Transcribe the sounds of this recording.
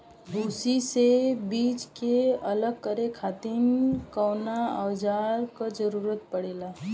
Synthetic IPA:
bʱuːsisebiːt͡ʃkeɐləɡ̚kəɾekʰaːt̪ɪnkɔːnaa̰ːd͡ʒaːɾkad͡ʒəɾuːɾət̪̚pɐɽeːlaː

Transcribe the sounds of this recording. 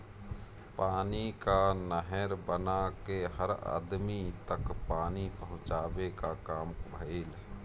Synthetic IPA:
paːnikanəɦɛɾbənakeɦəɾa̰ːd̪mit̪əkpaːnipəɦʊ̃t͡ʃaːbekakaːmbʱəeːl

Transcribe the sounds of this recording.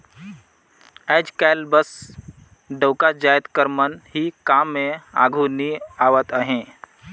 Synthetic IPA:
ɛːd͡ʒkɛlbəs | ɖəwkad͡ʒajət̪kəɾmənɦikaːmːẽa̰ːɡʱuniaːʋət̪əɦẽ

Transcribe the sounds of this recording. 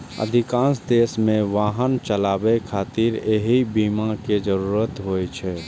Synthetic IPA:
ə̰d̪ʱɪkãːnsd̪eːsmẽʋaːɦənt͡ʃəlaːbekʰaːt̪iɾeɦibiːmaked͡ʒəɾuːɾət̪ɦoːjt͡ʃʰɛː

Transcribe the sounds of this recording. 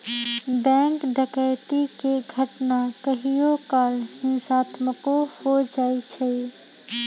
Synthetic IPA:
bɛ̃ŋkɖəkəɪt̪ikeɡʱəʈnakəɦijokalhĩsat̪məkohod͡ʒajt͡ʃʰɛ

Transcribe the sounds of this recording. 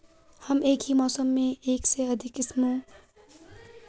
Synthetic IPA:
hɐmeːkɦimɔːsəmːẽeːkseɐd̪ʱɪkɪsmõː

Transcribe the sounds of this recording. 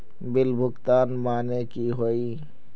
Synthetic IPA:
bɪlbʱʊkt̪aːnmaːnekiɦoːiː

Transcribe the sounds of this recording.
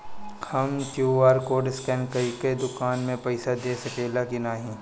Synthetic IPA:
hɐmkjuaːɾkoːɖɪskɛ̃ːnkɐiked̪ʊkaːnmẽpɐɪsad̪eːsɐkeːlakinaːɦĩ

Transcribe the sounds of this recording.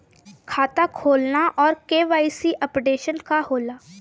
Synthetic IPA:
kʰaːt̪akʰoːlnaʔɔːɾkeːʋaːisiʔɐpɖeːʃənkaɦoːlaː

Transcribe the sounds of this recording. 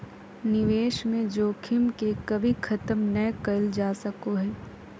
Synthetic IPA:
nɪʋeːʃmẽd͡ʒoːkʰɪmkekɐbʱikʰɐt̪əmnɐjkɐld͡ʒaːsɐkoɦɛː

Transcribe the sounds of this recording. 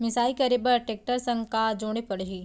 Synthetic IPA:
mɪsaːikɐɾebɐɾʈeːk̚ʈəɾsɐ̃ŋɡkad͡ʒoːɽ̃epɐɽɦiː

